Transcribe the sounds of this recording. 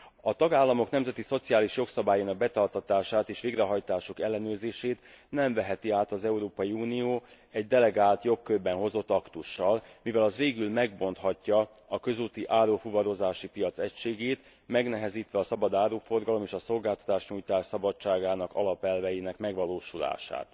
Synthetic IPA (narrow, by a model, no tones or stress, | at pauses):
ɒt̪ɒɡaːlːɒmo̞knɛmzɛt̪iso̞t̪siaːliʃjo̞ksɒbaːjaːnɒɡ̚bɛt̪ɒrt̪ɒt̪aːʃaːt̪eːʃʋeːɡrɛɦɒjt̪aːʃokɛlːɛnøːrzeːʃeːt̪ | nɛɱvɛɦɛt̪iaːt̪ɒzɛuɾoːpɒjiuːnijoː | ɛɟd̪ɛlɛɡaːlt̪jo̞kːøbbːɛnɦo̞zo̞t̪ːɒkt̪uʃːɒlmivɛlɒzʋeːɡylmɛɡbo̞nt̪hɒcːɒ | ɒkø̞zuːt̪iʔaːɾoːfuvɒɾo̞zaːʃipijɒt̪sɛcʃeːɡeːt̪ | mɛɡn̪ɛɦɛziːt̪ʋɛɒsɒbɒd̪aːɾoːfo̞rɡɒlo̞meːʃɒso̞lɡaːlt̪ɒ̥t̪aːʃɲuːjt̪aːʃsɒbɒt͡ʃt͡ʃːaːɡaːnɒkɒ̰lɒpɛlvɛjiːnɛkmɛɡʋɒloːʃula̰ːʃa̰ːt̪